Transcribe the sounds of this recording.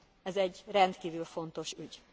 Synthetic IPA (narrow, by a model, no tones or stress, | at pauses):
ɛzɛɟrɛnt̪kiːvylfo̞nt̪o̞ʃyɟ